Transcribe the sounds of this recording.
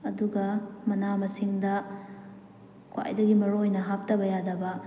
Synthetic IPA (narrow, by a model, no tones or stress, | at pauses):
ɐduɡɐmɐnamɐsiŋdɐ | kʰwa̰jdɐɡimɐɾojnɐɦap̚tɐbɐjadɐbɐ